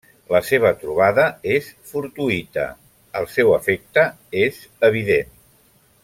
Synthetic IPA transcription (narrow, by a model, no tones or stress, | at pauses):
ləseβ̞ət̪ɾuβ̞aðəesfuɾt̪uit̪ə̰ | əlˠsɛwəfek̚t̪ə | ez | əβ̞iðen